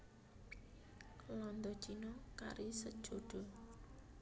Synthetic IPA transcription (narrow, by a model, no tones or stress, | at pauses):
lɔnd̪ɔ̥t͡ʃinɔka̰ɾisəd̥ʒ̥oɖ̥ɔ